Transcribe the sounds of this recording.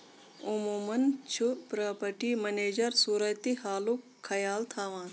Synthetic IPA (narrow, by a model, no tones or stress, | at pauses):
umuːmɐnt͡ʃʰupɾɐːpɐʈimɐneːd͡ʒɐɾsuːɾɐjt̪ihaːlukʰːɐjaːlt̪ʰaːʋãːn